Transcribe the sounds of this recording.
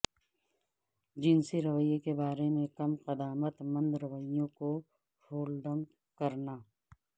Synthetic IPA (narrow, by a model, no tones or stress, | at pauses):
d͡ʒɪnsiɾɐʋəjekebaːɾemẽkɐmqɐd̪aːmət̪mə̃nd̪ɾɐʋəijõko | hoːlɖə̃m | kɐɾnaː